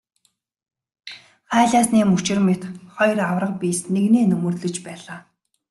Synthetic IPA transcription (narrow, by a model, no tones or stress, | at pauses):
χæːɮaːsniːmut͡ɕɪ̆rmet̪χɔjrawrə̆q̚pʲiːsneɣneːnɵmɵ̆rt̪ɮɵ̆t͡ɕpæːɮaː